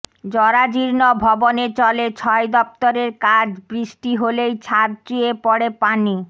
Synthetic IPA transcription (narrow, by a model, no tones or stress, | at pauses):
d͡ʑɔɾad͡ʑiɾnobʱɔbonet͡ɕɔlet͡ɕʰɔed̪ɔp̚t̪oɾeɾkad͡ʑbɾiʃʈiɦolejt͡ɕʰaɾt͡ɕuepɔɽepani